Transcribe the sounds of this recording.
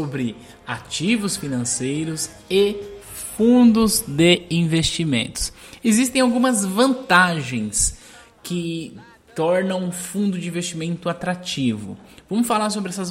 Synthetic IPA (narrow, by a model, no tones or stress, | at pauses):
obɾɪ | at͡ʃivʊsfinɐ̃sejɾʊs | ɪ | fũd̪ʊzd̪eĩvest͡ʃimḛ̃nt̪ʊ̥sezist̪ẽj̃awɡũmɐzvɐ̃nt̪aʒẽj̃s | kɪ | t̪ɔɾnɐ̃w̃ũfũnd̪ʊd͡ʒɪĩvest͡ʃimẽnt̪ʊat̪ɾat͡ʃivʊ̰vɐ̃mʊsfalaɾsobɪɛsɐz